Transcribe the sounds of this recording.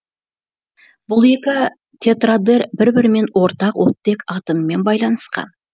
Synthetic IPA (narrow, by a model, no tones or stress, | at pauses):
b̥ʊlˠe̞kʲɪ | t̪ʲʰe̞t̪rad̪eɾbɪɾbɪɾme̞nwo̞ɾt̪ɑqwot̪ːe̞kɑt̪əmme̞nbɑjlˠɑnəsqɑ̰n